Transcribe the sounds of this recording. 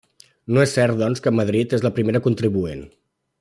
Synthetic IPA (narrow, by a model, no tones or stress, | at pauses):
noesːɛɾt̪̚d̪ɔnskəməð̞ɾit̪ezləpɾimeɾəkunt̪ɾiβuen